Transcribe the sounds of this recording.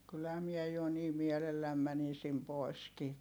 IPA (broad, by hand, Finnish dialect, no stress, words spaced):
kylhæ miɛ jo niː mielelːæm mænisim poi̯skiː